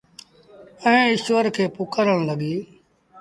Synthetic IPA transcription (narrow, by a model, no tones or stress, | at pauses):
əẽːɪʃʋəɾkʰeːpʊkəɾəɽ̃ləɡiː